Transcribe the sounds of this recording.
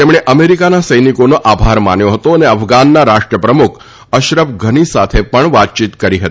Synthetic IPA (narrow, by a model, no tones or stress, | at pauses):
t̪emɳ̃eʔəmeɾikanasəjnikonoʔabʱaɾma̰njoɦət̪oəneəfɡanːaɾaʃʈɾəpɾəmukʰ | əʃɾəʋɡʱəɽ̃isat̪ʰepəɳʋat̪̚t͡ʃit̪kəɾiɦət̪i̥